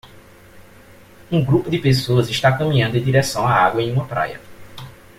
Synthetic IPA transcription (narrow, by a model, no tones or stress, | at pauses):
ũɡɾupʊd̪ɪpesoɐzɪʃt̪akɐ̃mĩɲɐ̃nd̪ʊẽd̪iɾɛsɐ̃w̃aaɡwɐẽj̃ũmɐpɾa̰jɐ̰